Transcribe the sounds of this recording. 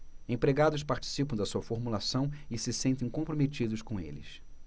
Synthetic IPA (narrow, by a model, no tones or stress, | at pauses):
ẽpɾeɡad̪ʊspaɾt͡ʃi̥sipɐ̃w̃d̪ɐsuɐfoɾmulasɐ̃w̃ɪsɪsẽnt̪ẽj̃kõpɾomet͡ʃid̪ʊskõḛlɪ̰s